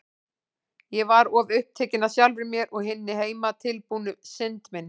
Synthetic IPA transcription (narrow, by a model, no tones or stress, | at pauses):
jɛvaɾɔːvʏhp̚t̪ʰɛːcɪnːasjawlvɪɾmjɛɾʔɔɣɦɪnːɪɦeːjmat̪ʰɪlpuːnʏsɪnt̪mɪnː